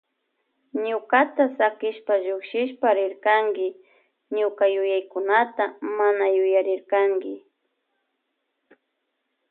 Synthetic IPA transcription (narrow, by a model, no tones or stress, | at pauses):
ɲʊkat̪asakɪʃpaʒʊkʃɪʃpaɾɪɾkaŋɡɪ | ɲʊkajʊjajkʊnat̪amanajʊjaɾɪɾkaŋɡɪ